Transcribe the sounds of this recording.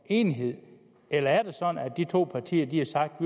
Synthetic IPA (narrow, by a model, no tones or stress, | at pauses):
e̝ːniɦe̝ð̰ˠ | elɐæɐd̥e̝sɒ̽d̥n̩æd̥it͡sʰo̝̰ːpʰɑ̈t͡sʰḭːɐd̥iɑsɑ̈ɡ̥̚d̥ʋi